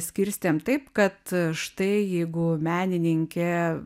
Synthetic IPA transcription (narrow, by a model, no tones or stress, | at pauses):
sʲkʲɪɾʲsʲt̪ʲeːmt̪ɐɪpkɐt̪ʃt̪ɐɪjɛɪɡʊmʲæːnʲɪnʲɪŋʲkʲɛ